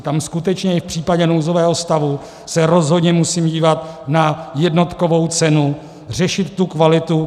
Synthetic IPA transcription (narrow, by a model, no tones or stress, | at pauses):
t̪amskut̪ɛt͡ʃɲɛɪfpr̥iːpaɟɛnowzovɛːɦo̞st̪avu | sɛɾo̞zɦo̞dɲɛmusiːmɟiːvat̪najɛdno̞t̪kovo̞wt͡sɛnu | r̝ɛʃɪt̪ːukvalɪt̪u